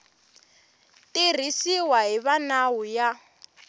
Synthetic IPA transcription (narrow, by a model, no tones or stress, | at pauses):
tʼir̤isiwaɦiβanauja